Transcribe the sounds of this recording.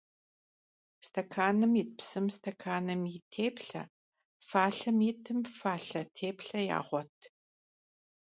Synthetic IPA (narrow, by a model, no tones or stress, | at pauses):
stʰɐkʰaːnɨmit̚psɨmstʰɐkʰaːnɨmitʰeːpɬɐ̰ | faːɬɐmjitʰɨmfaːɬɐtʰeːpɬɐja̰ːʁʷɔtʰ